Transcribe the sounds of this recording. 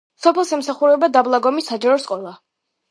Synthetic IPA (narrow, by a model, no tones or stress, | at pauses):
sɔpʰɛlˠsɛmsaχuɾɛbad̪ablˠaɡɔmisad͡ʒaɾɔsqʼɔlˠa